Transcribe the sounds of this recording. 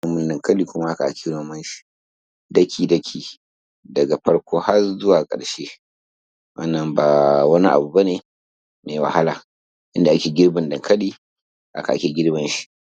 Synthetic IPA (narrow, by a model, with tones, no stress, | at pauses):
ɐ˦mʊ˦ndɐ˨ŋkɐ˦liː˨kʷʊ˦ma˦ʔa˦ka˨ʔa˨kʲʰeː˦noː˦mɐ˦nʃi̥˨ | dɐ˦kʲʰiː˨dɐ˦kʲʰiː˨ | dɐ˨ɡa˨ɸɐ˦ɽkʷoː˦ha˦rzʊ˦waː˨kʼɐ̰˨ɽʃeː˦ | wɐ̰˦nːɐ˨mbaː˨wɐ˦ni˦ʔa̰˨bu˨ba˦neː˨ | meː˨wa̰˨ha˦laː˨ | ʔɪ˦nda˨ʔa˦kʲeː˨ɡʲɪ˦ɽbɐ˨ndɐ˨ŋkɐ˦liː˦ | ʔa̰˦ka˨ʔa̰˦kʲeː˨ɡʲɪ˦ɽbɐ˦nʃi̥˦ʔ